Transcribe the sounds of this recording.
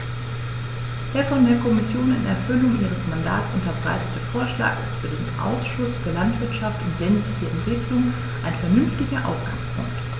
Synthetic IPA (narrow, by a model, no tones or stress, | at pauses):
d̥eːɐfɔndeːɐkʰɔmɪsjoːnɪ̰nɛ̰ɐfʏlʊŋʔiːʁəsmanda̰ːtsʔʊntɐbʁa̰ɪtətʰəfoːɐʃla̰ːkɪstfyːɐdeːnʔa̰ʊsʃʊsfyːɐlantv̥ɪɐtʃaftʊntz̥ɛndəlɪçiɛntʁ̥ɪːɡəlʊŋ | ʔaɪnfɛɐnʏnftɪɡɐʔa̰ʊsɡ̥a̰ŋspʰʊ̰ŋkt